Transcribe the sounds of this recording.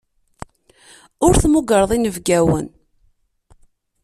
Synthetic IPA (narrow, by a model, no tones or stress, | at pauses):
ʊɾθmuɡəɾðˤinəvɡæwə̰n